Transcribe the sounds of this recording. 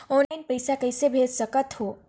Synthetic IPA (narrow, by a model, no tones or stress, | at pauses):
ɔnlajnpəjsakəjsebʱesəkət̪ɦo